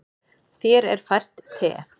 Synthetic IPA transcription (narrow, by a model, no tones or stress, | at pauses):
θjɛːɾɛɾ̥fajr̥t̪t̪ʰːɛ̰ː